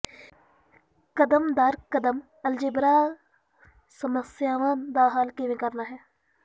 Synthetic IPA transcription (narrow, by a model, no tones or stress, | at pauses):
kəd̪əmd̪aɾkəd̪əm | əld͡ʒɪbɾaː | səməsjaːʋãːd̪aɦaːlkeʋẽːkəɾnaːɦɛː